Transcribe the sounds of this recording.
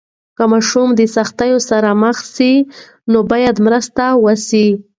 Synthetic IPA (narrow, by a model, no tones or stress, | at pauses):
kəmaʃumd̪əsaxt̪ajosaɾaməxsi | nobɑjad̪mɾəst̪awəsi